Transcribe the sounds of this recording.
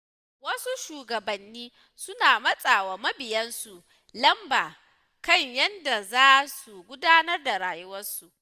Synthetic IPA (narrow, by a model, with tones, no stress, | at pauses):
wɐ˦su˦ʃuː˨ɡɐ˨bɐ˨nːiː˦ | sʊ˦naː˨mɐ˦sʼaː˨waː˨mɐ˦bɪ˨jɐ˦nsu˨ʔ | lɐ˦mbaː˨ | kɐ˦˨ɲjɐ˦nda˨zaː˦su˨ɡʷʊ˦daː˦nɐ˦rda˨ɾaː˨jʊ˦wɐ˦rsu˨ʔ